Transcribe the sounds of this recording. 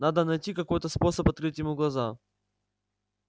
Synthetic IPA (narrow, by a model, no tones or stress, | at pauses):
nad̪ənɐjtʲikɐko̞jt̪əspo̞səpɐt̪kɾɨtʲjɪmuɡlˠɐza